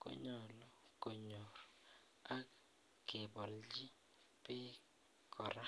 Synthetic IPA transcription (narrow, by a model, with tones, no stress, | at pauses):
ko̰˦ɲɔ˨lɔ˦˨ko˨ɲo˨r | a˦ | ɡɪ˨bɔ˨ld͡ʒɪ˦ | pɪ˦ | kʰɔ˨ɾa˦